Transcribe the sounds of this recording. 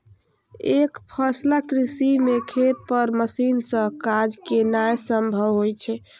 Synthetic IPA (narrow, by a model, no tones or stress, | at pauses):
ekpʰəslakɾisimekʰet̪̚pəɾməsinsə̃kad͡ʒkenajsəmbʱəʋɦojt͡ʃʰɛ